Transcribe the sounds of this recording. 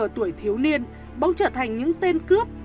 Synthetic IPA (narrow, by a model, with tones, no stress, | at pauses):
t̪u˧˩əjt̪ʰi˨˦əwni˧ən | ɓə˨˦wŋ͡mt͡ɕəː˧˩t̪ʰa˨˩jŋ̟ɲɨ̰˧˥ŋt̪e˧nkɨ˦˥əp̚